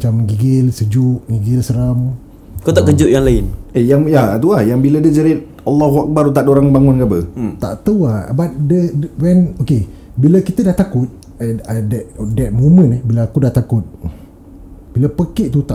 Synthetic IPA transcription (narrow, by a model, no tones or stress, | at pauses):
at͡ʃamɡiɡɪlsəd͡ʒʊʔɡiɡɪlsəɾam | kot̪aʔkəd͡ʒʊʔjaŋlaɪnejaŋjat̪uahjaŋbilədəd͡ʒəɾɪt̪̚ | alːahwak̚baɾut̪̬aʔdoɾaŋbaŋʊnɡabət̪a̰ʔt̪əwabat̪̚dəwɛnoke | biləkit̪ədaht̪akʊt̪̚ | ədɛtdɛt̪̚momə̃nəbiləakudaʔt̪akʊt̪̚ | b̥iləpəkiʔt̪ut̪a